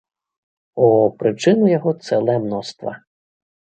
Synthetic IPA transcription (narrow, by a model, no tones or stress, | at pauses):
ɔpɾɪt͡ʃɪnʊjɔɦɔt̪sɛlˠɛmnɔst̪ʋɐ̰